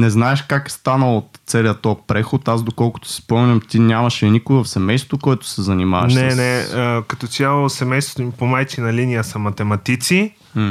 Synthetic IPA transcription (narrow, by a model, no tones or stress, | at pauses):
nɛznaɛʃkakst̪anəlˠot̪t̪sɛliət̪ɔpɾɛxot̪azd̪okɔlˠkʊ̥t̪o̥si̥spɔmnʲɐmt̪inʲamɐʃɛnikojvɐfsɛmɛjst̪t̪vokoɛt̪ʊ̥sɛzɐnima̰vɐʃnɛnɛəkɐt̪ɔt̪ʲjalˠosɛmɛjst̪vot̪omipomajt͡ʃ̪inɐlinijəsɐmɐt̪ɛmɐt̪it̪si